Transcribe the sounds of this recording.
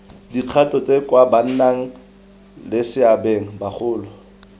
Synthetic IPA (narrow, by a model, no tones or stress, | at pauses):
diq͡χʰatʼɔt͡sʼekwaban̩naŋ̩ | lɪsɪabeŋ̩baχʰʊːlɔ